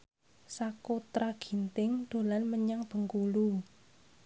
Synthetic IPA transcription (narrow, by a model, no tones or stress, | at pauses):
sakot̪ɾaɡ̥i̤nt̪ɪŋd̪̥o̤lanməɲaŋb̥ə̤ŋkulu